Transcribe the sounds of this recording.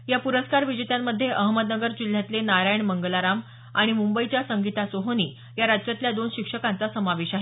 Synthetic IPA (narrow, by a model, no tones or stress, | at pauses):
japuɾəskaɾʋid͡ʑet̪jamːəd̪ʱːjeʔəɦməd̪nəɡəɾd͡ʑil̤ːjat̪lenaɾajɳməŋɡəlaɾam | aɽ̃imumbəit͡ɕjasəŋɡit̪asoɦoni | jaɾad͡ʑt͡ɕjat̪ljad̪onɕikʂəkant͡sasəmaʋeɕaɦe